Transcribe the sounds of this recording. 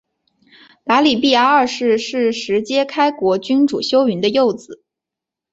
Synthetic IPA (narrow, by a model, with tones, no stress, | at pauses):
t̪a˧˥li˨˩pi˥˩ja˧˥ə˥˩ʂɻ̩˥˧ʂɻ̩˥˩ʂɻ̩˧˥t͡ɕjɛ˥kʰa˥ɪkwɔ˧˥t͡ɕy˥nʈ͡ʂṵ˨˩ɕjo˥ʊy˧˥nd̪ə˧jo˥˩ʊd͡zɹ̩˨˩˦